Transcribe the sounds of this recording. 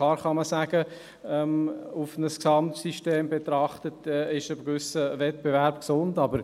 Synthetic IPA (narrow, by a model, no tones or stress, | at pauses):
lɑːɾχɑməsæːɡ̥ə | ɛmʊfnəsksɑmtsiʃteːmbetɾɑχtətːɪʃəbkʋʏsəvɛt̚b̥evɛɾbksʊndɑbəɾ